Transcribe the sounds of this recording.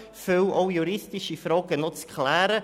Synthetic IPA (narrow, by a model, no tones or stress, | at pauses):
føwʔoʊjuɾɪstɪʃifɾɔːɡənot͡skʰlæːɾə